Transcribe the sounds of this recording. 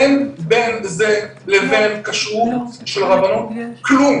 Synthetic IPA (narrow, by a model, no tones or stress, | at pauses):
nbenzelevenkaʃuʃelʁabanot̪̚klum